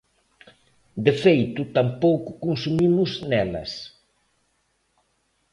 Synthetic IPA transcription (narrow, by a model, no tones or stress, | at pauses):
d̪efejt̪ʊt̪ampowkʊ̥kunsumimʊznɛlɐ̰s